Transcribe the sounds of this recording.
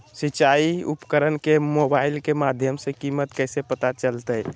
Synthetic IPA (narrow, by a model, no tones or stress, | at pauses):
sit͡ʃaiupkəɾənkemobailkemad̪ʱjəmsekimət̪kɛːsepət̪at͡ʃəlt̪əj